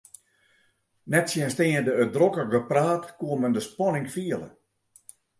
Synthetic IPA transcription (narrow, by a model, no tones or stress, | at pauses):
nɛtsjɛnsteːədəødrokəɡəpraːtkuəməndəspɔnɪŋfiələ̰